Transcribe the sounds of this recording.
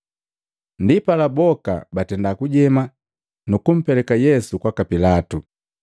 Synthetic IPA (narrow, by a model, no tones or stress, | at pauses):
ndipalabɔka̰batɛndakuɟɛma | nukum̩pɛlɛkajɛsukwakapilatu